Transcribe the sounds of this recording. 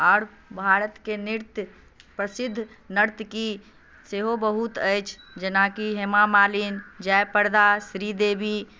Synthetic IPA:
aːɾ | bʱaːɾət̪keniɾt̪j | pɾəsɪd̪ʱːnəɾt̪ki | seɦobəɦut̪əjt͡ʃʰd͡ʒənakiɦemamaːlind͡ʒajpəɾd̪asɾid̪eːbʱi

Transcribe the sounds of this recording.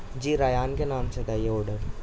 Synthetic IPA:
d͡ʒiːɾaːjaːnkenaːmt͡ʃʰed̪ajeoːɖəɾ

